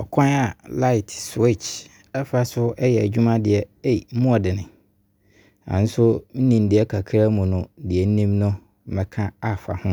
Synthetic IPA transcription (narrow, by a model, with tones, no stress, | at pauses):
ɔ˨kʰɔ̃˦na˨la˦ɪ˨tswe˦˨t͡ʃ | ɛ˦fa˦sʊ˦ɛ˦jɛ˨æ˨d͡ʑᶣu˦mã˦dɪ˨ɛ˨e˦jm̩˦mʊ̃˦ɔ˨dɪ˨nɪ̃˨ | ã̰˨n̩˦sʊ˦n̩˦nĩ˨n̩˨dɪ˨˦ɛ˦kʰa˨kʰɾa˦mũ˨nʊ̃˨˦dɪ˨ɛ˨n̩˦nĩ˦mnʊ̃˦ | m̩˨mɛ̃˨kʰã˦a˨fa̰˨hʊ̃˦